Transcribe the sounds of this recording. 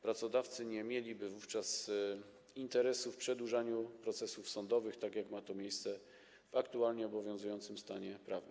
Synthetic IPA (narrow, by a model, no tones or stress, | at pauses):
pɾat̪sɔd̪aft̪sɘɲɛmʲjelʲibɘvuft͡ʂas | int̪ɛɾɛsufpʂɛd̪wuʐaɲupɾɔt̪sɛsufsɔnd̪ɔvɘxt̪akjakmat̪ɔmʲjejst̪sɛ | vakt̪ualɲɛɔbɔvʲjɔ̃ñzujɔnt̪sɘmst̪aɲɛpɾavnɘm